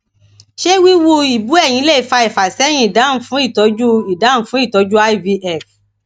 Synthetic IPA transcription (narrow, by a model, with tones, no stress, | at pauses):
ʃe˦wi˦wo˧i˨bu˨˦ɛ˦˨j̃ĩ˧˦le˦˨i˨˦fa˧i˨fa˨sɛ˨˦j̃ĩ˦i˨da˨˦fũ˨˦i˦˨tɔ˨˦d͡ʒu˦i˨da˨˦n̩˦˨˦fũ˦i˦˨tɔ˨˧˦d͡ʒu˦a˦jvi˧ʔɛ˦˨f